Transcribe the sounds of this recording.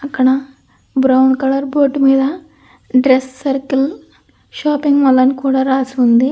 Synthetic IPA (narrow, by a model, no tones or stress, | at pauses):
ɐkɐɳa | bɾɐwɳɖkɐɭɐɾboːʈmiːd̪a | ɖɾesːɐɾkil | ʃaːpiŋɡmɐlːɐnkuːɽɐɾaːsund̪i